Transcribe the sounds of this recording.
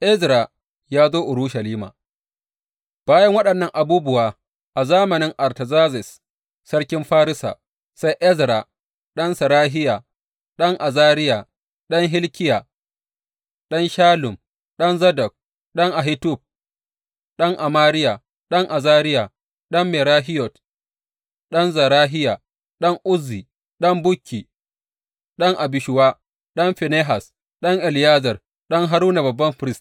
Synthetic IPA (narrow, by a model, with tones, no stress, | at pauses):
ʔɪ˦zɾa˨ | jaː˦zoː˦ʔʊ˨ɾuː˦ʃɐ˨liː˦ma̰ː˨ | b̥aː˦jɐ˦ŋwɐ˦ɗɐ˨nːɐ˦ŋʔa˨buː˦bʊ˨waː˨ | ʔa˨zaː˦mɐ˨nɪ˦ŋʔa˨ɾtɐ˨zaː˦zɪ˨s | sɐ˦ɽkʲɪ˦mɸaː˦ɾɪ˦sa̰ː˨ | sa˦jʔɛ˦zɾa˨ | ɗɐ˦nsɐ˨ɾaː˦ɦɪ˦ja˨ | ɗɐ˦ŋʔa˨zaː˦ɾɪ˦ja˨ | ɗɐ˦ŋɦɪ˦lkʲɪ˦ja˨ | ɗɐ˦nʃaː˦lʊ˨m | ɗɔ˦nzɐ˦dɔ˨k̚ | ɗɐ˦ŋʔa˨ɦɪ˦tʊ˦˨b̚ | ɗɐ˦ŋʔa˨maː˦ɾɪ˦ja˨ | ɗɐ˦ŋʔa˨zaː˦ɾɪ˦ja˨ | ɗɐ˦mːɛ˨ɾaː˦ɦɪ˦jɔ˨t | ɗɐ˦nzɐ˨ɾaː˦ɦɪ˦ja˨ | ɗɐ˦ŋʔʊ˦zːiː˨ | ɗɐ˦mbʊ˦kʲːiː˨ | ɗɐ˦ŋʔa˨bɪ˨ʃʊ˨waː˦ | ɗɐ˦mɸɛ˨ne˦ɦa˨s | ɗɐ˦ŋʔɛ˨ljaː˦zɐ˨r | ɗɐ˦ŋɦa˦ɾuː˦na˨bɐ˨bːɐ˦mɸɪ˨ɾɪ˦st